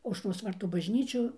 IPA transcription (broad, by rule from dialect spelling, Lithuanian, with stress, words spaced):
ɐʊʃˈroːs ˈʋɐrtuː bɐʒʲˈnʲiːt͡ʃʲʊ